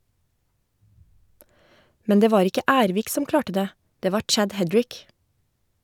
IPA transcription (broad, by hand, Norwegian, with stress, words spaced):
ˈmɛn ˈdeː ˈʋɑːɾ ˈɪkə ˈæːɾʋiːk ˈsɔm ˈklɑːʈə ˈdeː ˈdeː ˈʋɑː ˈt͡ʃæd ˈhɛdɹɪk